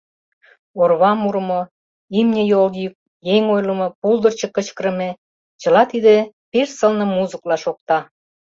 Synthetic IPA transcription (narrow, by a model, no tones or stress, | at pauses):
orβɑmuɾmo | imnʲəjoljyk̚ | jeŋojlə̆mopuld̪ə̆rt͡ɕə̆kə̆t͡ɕkɾə̆me | t͡ɕə̆lɑt̪id̪epersəlnə̆muzəklɑʃok̚t̪ɑ